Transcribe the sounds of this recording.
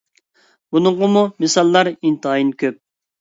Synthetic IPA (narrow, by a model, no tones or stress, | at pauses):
bunʊɴʁəmumɪsɑlˠːɑɾint̪ʰɨɑjinkʲʰøp̚